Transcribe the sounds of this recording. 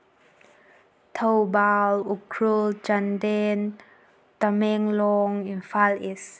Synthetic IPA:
t̪ʰowbalukʰɹult͡ʃandɛn | t̪amɛŋlɔŋinfalis

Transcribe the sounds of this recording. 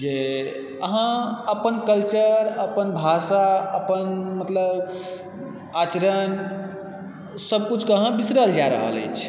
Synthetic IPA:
d͡ʒe | əɦãəpənkəlt͡ʃəɾəpənbʱasaəpənmət̪ləb | at͡ʃəɾən | səb̚kut͡ʃʰkəɦãbisɾəld͡ʒaɾə̰ɦə̰lə̰t͡ʃʰ

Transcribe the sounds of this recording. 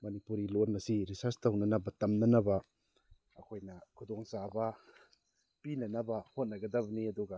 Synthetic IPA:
mɐnipuɾilotnɐsiɾisɐɾstɐwnɐnɐbɐtɐmnɐnɐbɐ | ɐkʰojnɐkʰudɔŋsabɐ | pinɐnɐbɐhot̚nɐɡɐdɐbɐniɐduɡɐ

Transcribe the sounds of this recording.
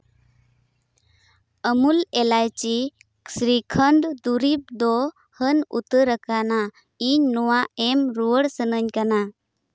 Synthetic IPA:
əmulɛlajt͡ʃi | sɾikʰəɳɖd̪uɾip̚d̪ɔ | hənṵt̪əɾəkana | iɲnɔwaɛmɾuwəɽsənəɲkana

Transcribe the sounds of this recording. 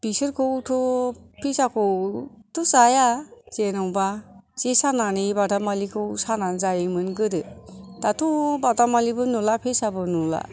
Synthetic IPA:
b̥isɯɾkʰɯwtʰopʰesakʰowtʰusajaz̥enawbasesananibatamalikʰɯwsananzajimɯnɡɯɾɯtatubatamalibɯnulapʰesabɯnula̰

